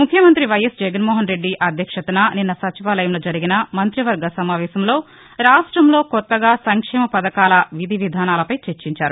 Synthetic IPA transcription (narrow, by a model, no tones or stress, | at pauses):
mukʰjɐmɐnt̪ɾiʋɐjɐsd͡ʒɛɡɐnmɔːɦɐnɾe̞ɖːiʔɐd̪ʱjɐkʂɐt̪ɐnaninːɐsɐt͡ʃiʋaːlɐjɐmloːd͡ʒɐɾiɡinɐmɐnt̪ɾiʋɐɾɡɐsɐmaːʋɛːsɐmlo̞ː | ɾaːʂʈɾɐmlo̞ːkɔt̪ːɐɡaːsɐŋkʂɛːmɐpɐd̪ɐkaːlɐʋid̪ʱiʋid̪ʱaːnaːlɐpɐjt͡ʃeɾt͡ʃiɲt͡ʃaːɾu